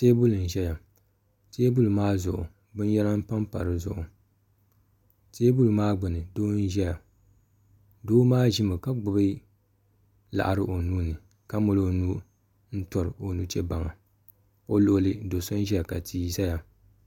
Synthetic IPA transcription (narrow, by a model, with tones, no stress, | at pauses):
teː˦bʊ˦lɨ˨n̩˨ʒɛ˦ja˨ | teː˦bʊ˦lmaː˦zʊ˨ʔʊ̰˨ | bɨ˦n˦jɛ˦la˦m̩˦pa˦m˦pa̰˨ɾɨ˨zʊ̰˨ʔʊ˨ | teː˦bu˦lɨ˨maː˦ɡ͡bʊ˨nɨ˨doː˦n̩˦ʒɛ˦ja˨ | doː˦maː˦ʒɪ˦mɨ˨ka˦ɡ͡bʊ˨bɨ˦ | la̰˨ʔa˨ɾɨ˦ʔo˨nuː˦nɨ˨ | ka˦mo˨lo˦nu˦ | n̩˦tɔ˨ɾɨ˨o˨nu˦t͡ʃɛ˦ba˨ŋa˨ | o˦lo˦˨ʔʊ˦lɨ˦do˨so˦n˦ʒɛ˦ja˨ka̰˨tʰiː˦za˦ja˨